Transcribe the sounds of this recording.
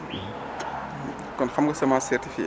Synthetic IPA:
kɔnxɐmɡɐsɐmasɛrtifiʔ

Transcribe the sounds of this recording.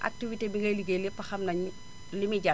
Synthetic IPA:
ʔa̰k̚tivitebiɡɐliɡelipɐxɐmnɐɲi | limiɟa

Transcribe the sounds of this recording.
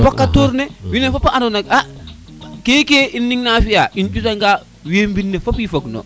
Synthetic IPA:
pakːatoɾnɛwinɛfapːaanonaka | kekeinːiŋnafijaʔint͡ʃutaŋɡa | wembinːɛfapifakno̰

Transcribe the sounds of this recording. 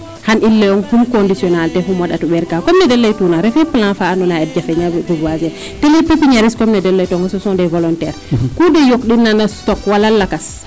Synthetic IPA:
hanʔilːɛjɔŋhumkɔndisiɔnaltɛfumaɗatuɓɛɾkaːkɔmnɛdɛlːejtuːnaɾɛfɛplãnfaːnunaɛt̚d͡ʒafɛɲaduɡazɛ | tɛlɛpːepːiɲaɾiskɔmnɛdɛlːɛjtɔŋɡasɔsɔ̃ndɛvɔlɔntɛɾkudɛjok̚ɗinːanastɔkwalalːakas

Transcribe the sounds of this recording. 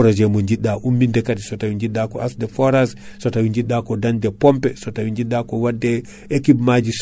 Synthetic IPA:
ɾɔd͡ʒɛmɔɲd͡ʒiɗːaʔumːindɛkadisɔtawiɲd͡ʒiɗːakɔʔasdɛfɔɾassɔtawiɲd͡ʒiɗːakɔdandɛpɔmpɛsɔtawiɲd͡ʒiɗːakɔwadːɛ | ekibmad͡ʒis

